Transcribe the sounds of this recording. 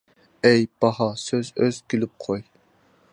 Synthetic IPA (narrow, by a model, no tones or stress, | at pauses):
ɛjb̥ɑhɑsøzøzkʲʰilɪp̚qʰoj